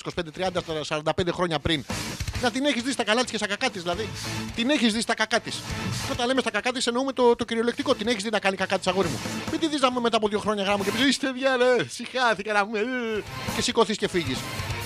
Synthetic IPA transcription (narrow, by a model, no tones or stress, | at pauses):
sikosiped̪et̪ɾiɐnd̪ɐssɐɾɐnd̪ɐpend̪exɾo̞ɲɐpɾinnɐt̪ine̞çizðist̪ɐkɐlɐt̪iscest̪ɐkɐkɐt̪izðilɐðit̪ineçizðist̪ɐkɐkɐt̪isot̪ɐnle̞mest̪ɐkɐkɐt̪ise̞no̞ume̞t̪ot̪o̞ciɾiolekt̪iko̞t̪ine̞çizðinɐkɐnikɐkɐt̪isɐɣo̞ɾizmṵmid̪iðiznɐpumeme̞t̪aːpoðjʝo̞xɾo̞ɲɐɣɾɐmucepisist̪eðʝɐnesixɐθikɐnɐpumece̞siko̞θisce̞fiʝis